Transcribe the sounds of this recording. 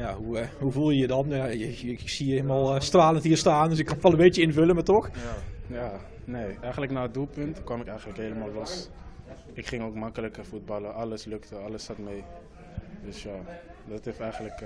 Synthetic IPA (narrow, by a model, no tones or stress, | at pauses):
jaɦuhuvulˠjəjədɔnjajəsiəelmalˠstraːlənthiərstaːndøsɪkːɑnfɔlˠəbeːt͡ʃəɪnvøləmatɔxjaː | neːɛjɣəntləknaːədulˠpɵntkwɔmɪkɛjɣən̩tləkeləmaːlˠlos | ɪkχɪŋoːkmɑkələkəfut̚bɑləʔɑləsløktəɑləsatmeː | døsjadɔteftɛjɣənlək